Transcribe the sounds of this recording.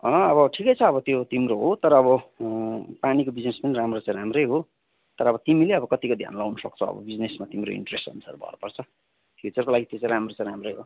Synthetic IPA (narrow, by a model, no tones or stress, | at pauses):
ʌ̃ʌbʌʈʰikʌjt͡sʰʌːβʌt̪jot̪imɾoɦot̪ʌɾʌːβʌ | panikobid͡znespʌniɾamrot͡sãj̃ɾamrʌjɦo | t̪ʌɾʌːbʌt̪imileʌbʌkʌt̪ikod̪ʱja̰nlawnʌsʌk̚t͡sʰʌ̃ʌ̰bʌ̰bid͡znesmat̪imɾo̰ḭɳʈresʈṵnsʰʌ̰rbʱʌ̰ɾpʌrt͡sʰʌ | fʰjut͡sʌrkolaɡit̪jot͡sãj̃ɾamrot͡sãj̃ɾamrʌjɦo